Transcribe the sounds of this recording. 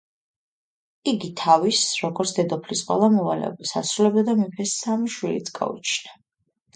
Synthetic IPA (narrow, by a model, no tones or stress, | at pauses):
iɡit̪ʰavisɾɔɡɔɾt̪sʰd̪ɛd̪ɔpʰlisqʼwɛ̰lˠamɔvalɛ̰ɔ̰bisa̰sɾulɛbd̪ad̪amipʰɛsamiʃwilḭt̪sʰɡa̰ṵt͡ʃʰna